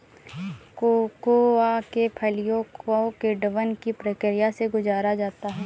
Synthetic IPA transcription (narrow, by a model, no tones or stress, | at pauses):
kokoakepʰəlijõkõkeɖəʋənkipɾəkɾijaseɡʊzaːɾad͡ʒaːt̪aɦɛː